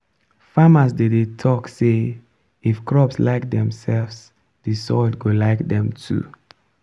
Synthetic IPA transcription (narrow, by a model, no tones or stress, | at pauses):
famasdedetʰɔkse | ifkɹɔpslaɪk̚dɛ̃msɛlvs | disɔldɡolaɪkdɛ̃mtʰṵ